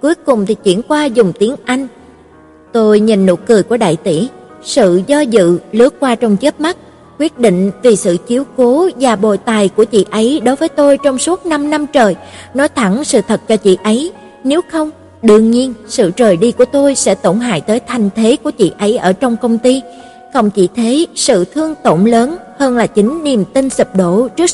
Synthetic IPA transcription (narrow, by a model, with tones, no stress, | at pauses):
ku˨˦jkʊ˨˩ŋ͡mt̪ʰi˨˩t͡ɕḭ˧˩ənkwaː˧zʊ˨˩ŋ͡mt̪i˨˦əŋʔa˧jŋ̟ | t̪o˧jɲḭ˨˩nːo̰˧˩kɨ˨˩jku˧˩əɗa̰ː˧˨jt̪ḭ˧˩˨sɨ̰˧˨zɔ˧zɨ̰˧˨lɨ˨˥ək̚kwaː˧t͡ɕɔ˧wŋ͡mt͡ɕə˦˥p̚ma˦˥t̚ | kwi˦˥ət̚ɗḭ˧˨ŋ̟vi˨˩sɨ̰˧˨t͡ɕi˨˦əwko˨˦vaː˨˩ɓo̰˧˨jt̪aː˨˩jku˧˩ət͡ɕḭ˧˨ʔə˨˦jɗo˨˦jvəː˨˦jt̪o˧jt͡ɕɔ˧wŋ͡msu˦˥ət̚na˧mna˧mt͡ɕəː˨˩jnɔ˨˦t̪ʰa˧˩ŋsɨ̰˧˨t̪ʰə˨˩t̚t͡ɕɔ˧t͡ɕḭ˧˨ʔə˨˦j | ne˨˦wxə˧wŋ͡m | ɗɨ˧˩əŋɲi˧ənsɨ̰˧˨t͡ɕəː˨˩jɗi˧ku˧˩ət̪o˧jsɛ̰˧˥t̪o˧˩nɦa̰ː˧˨jt̪əː˨˦jt̪ʰa˨˧jŋ̟t̪ʰe˨˦ku˧˩ət͡ɕḭ˧˨ʔə˨˦jʔəː˧˩t͡ɕɔ˧wŋ͡mkə˧wŋ͡mt̪i˧ | kə˨˩wŋ͡mt͡ɕḭ˧˨t̪ʰe˨˦sɨ̰˧˨t̪ʰɨ˧əŋt̪o˧˩mləː˨˦nhəː˧nlaː˨˩t͡ɕï˨˦ŋ̟ni˨˩əmt̪i˧nsɨ˨˩p̚ɗo˧˩˨t͡ɕɨ˦˥ək̚